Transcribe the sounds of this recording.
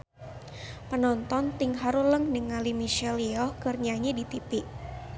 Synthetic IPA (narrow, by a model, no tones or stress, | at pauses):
pənɔnt̪ɔnt̪ɪŋɦaɾuləŋnəŋalimiʃɛliɔkərɲaɲadit̪ipiʔ